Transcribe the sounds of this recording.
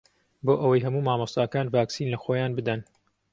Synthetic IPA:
boːʔəwɐjɦɐmuːmaːmɑst̪aːkaːnvaːksiːnlɐxoːjaːnbɨd̪ɐn

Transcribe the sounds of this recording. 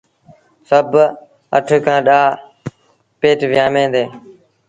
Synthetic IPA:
səb | əʈʰkʰãːɗaː | peːʈʋɪjaːmẽːd̪eː

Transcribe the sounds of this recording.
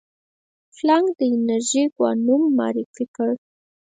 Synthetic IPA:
flɑŋɡd̪əɪnaɾʒiɡwɑ̰numːɑ̰ɾifikəɽ

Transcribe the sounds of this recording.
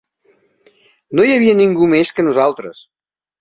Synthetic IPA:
nojəβ̞iəniŋɡumeskənuzalˠt̪ɾə̰s

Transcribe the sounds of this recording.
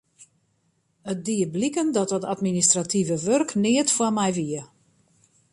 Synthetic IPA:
ət̚diəblikəndɔt̚ɔtatministratʰivəʋørknɪətfwamɛjʋiə

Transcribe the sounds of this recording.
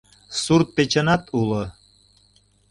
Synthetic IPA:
surt̪̚pet͡ɕənɑt̪ulo

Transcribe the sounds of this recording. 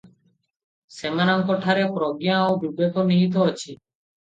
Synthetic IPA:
semanaŋkɔʈʰaɾepɾɔɡjaowbibekoniɦit̪̬ɔɔt͡ʃʰi

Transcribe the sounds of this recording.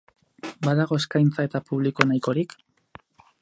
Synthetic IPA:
baðaɣ̞o̞eskajnt͡sae̞t̪apuβ̞liko̞najko̞ɾik

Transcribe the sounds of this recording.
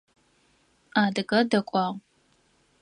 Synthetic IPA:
aːdɨɡɐdɐkʷʼɑːʁ

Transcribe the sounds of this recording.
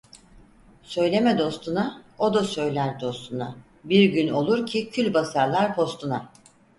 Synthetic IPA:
sø̞jlʲe̞mɛd̪o̞st̪ʰunaod̪asø̞jlʲæɾd̪o̞st̪ʰuna | biɾɟyno̞lˠuɾcʰicʰylʲbasaɾlˠaɾpʰo̞st̪ʰuna

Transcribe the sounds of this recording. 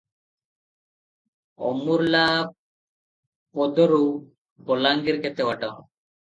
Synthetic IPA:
ɔ̰muɾla | pɔd̪ɔɾu | pɔlaŋɡiɾkɛt̪ewaʈɔŋ

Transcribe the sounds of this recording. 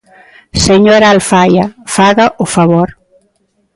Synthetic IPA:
seɲoɾaːlfajɐfaɣɐʔʊfaβoɾ

